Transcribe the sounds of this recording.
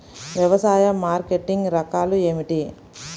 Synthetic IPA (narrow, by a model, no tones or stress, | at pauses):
ʋjɐʋɐsaːjɐmːaːɾkeʈiŋɡɾɐkaːlue̞ːmiʈi